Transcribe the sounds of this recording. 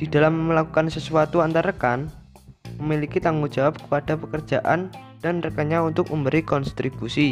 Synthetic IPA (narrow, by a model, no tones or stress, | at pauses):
d̥id̥a̤lamːəlakukansəsuat̪uant̪aɾəkan | məmilikit̪aŋɡu̥d͡ʒ̥awap̚kə̥pad̥apəkər̥d͡ʒ̥aʔa̰n | d̥anrəkaɲaunt̪ʊk̚ʔumbəɾikɔnst̪ɾib̥usi